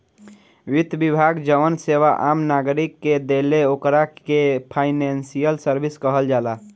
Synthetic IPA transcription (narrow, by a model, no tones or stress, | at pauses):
ʋit̪bibʱaɡd͡ʒəʋənseʋaʔamnaɡɾikːed̪eleokɾaepʰaɪnensijəlsəɾbʱiskəɦəld͡ʒala